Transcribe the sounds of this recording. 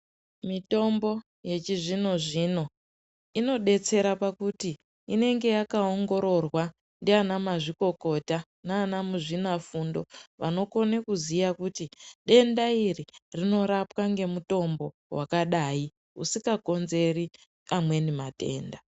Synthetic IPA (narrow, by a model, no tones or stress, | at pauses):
mito̞mbo̞ | je̞t͡ʃiʐino̞ʐino̞ | ino̞ɗe̞t͡se̞ɾapakuti | ine̞ŋɡe̞jakao̞ŋɡo̞ɾo̞rwa | ndeanamaʐiko̞ko̞ta | naːnamuʐinafundo̞ʋa̰no̞ko̞nekuzijakutiɗe̞ndairirino̞ɾapwaŋɡe̞muto̞mbo̞ | wʔa̰kaɗai | usikako̞nze̞ri | amwe̞nimate̞̰ːnda